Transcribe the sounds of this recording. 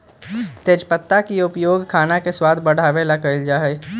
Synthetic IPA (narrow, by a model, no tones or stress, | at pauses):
t̪eːd͡ʒpət̪ːakiʊpjoːɡkʰaːnakeswaːd̪ʱbəɽ̤aːʋelakəɪld͡ʒaːɦɛ